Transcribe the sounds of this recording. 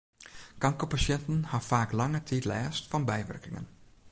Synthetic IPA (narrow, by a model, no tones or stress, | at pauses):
kɑŋkopasjɛntən̩hafaːklɑŋətʰitlɛːstfɔnbɛjʋɛ̰rkɪŋə̰n